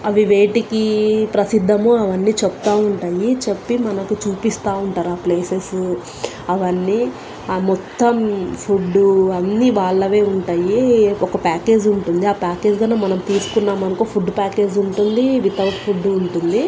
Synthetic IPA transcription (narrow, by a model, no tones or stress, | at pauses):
ɐʋiʋe̞ːʈikipɾɐsid̪ʱːɐmuːɐʋɐnːiːt͡ʃept̪aːuɳʈaːjit͡ʃepːimɐnɐkut͡ʃuːpist̪aːuɳʈaːɾuaːple̞ːses | ɐʋɐnːiː | mɔt̪ːɐmpʰuɖːuɐnːiːʋaːɭːɐʋe̞ːuɳʈaːjiɔkɐpaːke̞ːd͡ʒuɳʈund̪iaːpaːke̞ːd͡ʒɡɐneːmɐnɐmt̪iːsu̥kunːaːmɐnɐkupʰuɖːpaːke̞ːd͡ʒuɳʈund̪iʋit̪ɐwʈpʰuɖuɳʈund̪i